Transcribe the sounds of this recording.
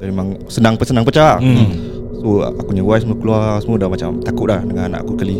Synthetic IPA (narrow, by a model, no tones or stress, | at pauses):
amemaŋ | sənaŋpəsənaŋpət͡ʃa | so̰akuɲawajsəməkəluasəmədamat͡ʃamt̪akʊt̪̚lahdəŋana̰ʔa̰kukəli